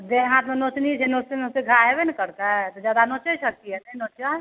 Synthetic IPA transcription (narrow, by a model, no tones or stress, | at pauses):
d̪eɦãt̪menot͡ʃnit͡ʃʰɛnot͡ʃeoseɡʱaɦebenkəɾkat̪ɔd͡ʒjad̪anot͡ʃəsək̚iɛnənot͡ʃa